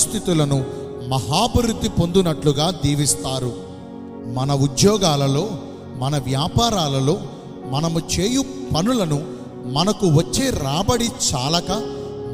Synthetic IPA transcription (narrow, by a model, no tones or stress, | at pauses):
st̪ʰit̪ulɐnu | mɐɦaːbɐɾut̪ːipo̞nd̪unɐʈluɡaːd̪iːʋist̪aːɾu | mɐnɐud̪jɔːɡaːlɐlo̞ː | mɐnɐʋjaːpaːɾaːlɐlo̞ː | mɐnɐmut͡ʃeːjupɐnulɐnu | mɐnɐkuʋɐt͡ʃːeːɾaːbɐɽit͡ʃaːlɐkɐ